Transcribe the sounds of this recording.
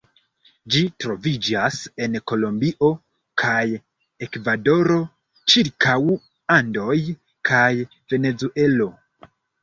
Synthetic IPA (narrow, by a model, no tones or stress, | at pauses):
d͡ʒitɾo̞vid͡ʒase̞nko̞lo̞mbiʔo̞ | kʰaj | e̞kvado̞ɾo̞ | t͡ʃiɾkʰaw | ando̞j | kʰaj | ve̞ne̞zuʔe̞lo̞